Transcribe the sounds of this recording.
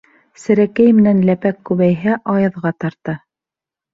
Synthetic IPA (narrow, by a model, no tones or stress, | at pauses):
sɘ̆ɾækæjmɘ̆nænlæpækːʉβæjɦæʔɑjɤ̆ðʁɑt̪ɑɾt̪ɤ